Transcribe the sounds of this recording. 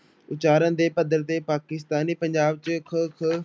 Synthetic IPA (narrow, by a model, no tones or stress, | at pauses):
ʊt͡ʃaːɾə̃nd̪eːpəd̪əɾt̪eːpaːkɪst̪aːniːpəɲd͡ʒaːb̚t͡ʃəkʰəkʰ